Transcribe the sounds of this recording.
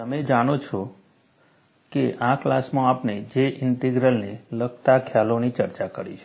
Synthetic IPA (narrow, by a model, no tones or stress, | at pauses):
t̪əmed͡ʒaɽ̃ot͡ʃʰo | keʔaklasmãapned͡ʒeʔɪɳʈiɡɾəlnelək̚t̪akʰjalonit͡ʃəɾt͡ʃakəɾḭt͡ʃʰe